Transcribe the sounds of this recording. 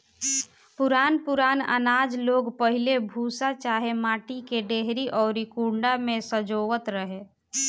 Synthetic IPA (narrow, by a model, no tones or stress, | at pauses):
pʊɾaːnpʊɾaːnə̰naːd͡ʒloːɡpəɦilebʱuːsat͡ʃaːɦemaːʈikeɖeɦɾiʔɔːɾikuɳɖamẽsəd͡ʒoːʋət̪ɾəɦe